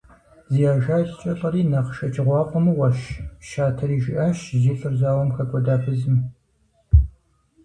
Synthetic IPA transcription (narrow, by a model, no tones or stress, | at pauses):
ziːjaːʒaːt͡ʃʼt͡ʃʼɐɬʼɐɾiːnɐʁʃɐt͡ʃʰʼɪʁʷɑːqʷʼɔmɨwɐʃʃaːtʰɐɾiːʒɪʔaːʃziːɬʼɨrzaːwɐmxʰɐkʷʼɔdaːfɨzɨm